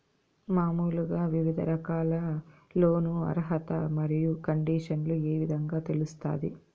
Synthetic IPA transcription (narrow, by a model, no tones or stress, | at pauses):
maːmuːluɡaːʋiʋid̪ʱɐɾɐkaːlɐlo̞ːnuɐ̰ɾɦɐt̪ɐmɐɾijukɐɳɖiːʂɐnlueːʋid̪ʱɐŋɡaːt̪e̞lust̪a̰ːd̪ḭ